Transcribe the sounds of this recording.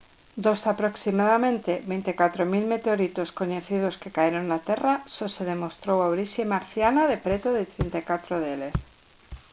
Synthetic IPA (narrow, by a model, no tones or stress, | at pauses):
d̪osapɾoksimaðamẽnt̪eβent̪ekat̪ɾomilmet̪eoɾit̪oskoɲeθið̞oskekaeɾoŋnat̪erasoseðemost̪ɾowawɾisjemaɾθjanaðepɾet̪oðet̪ɾent̪ajkat̪ɾoðeles